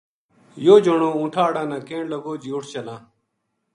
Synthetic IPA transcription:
joːd͡ʒoɳoːũːʈʰaːɽãːnãːkẽːɳləɡoːd͡ʑioːʈʰt͡ɕəlãː

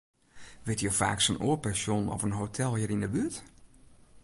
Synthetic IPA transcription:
ʋɪtjofa̰ːksənoːɹpɛnsjonɔ̰fənɦotʰɛlˠhiəɾindəbyət

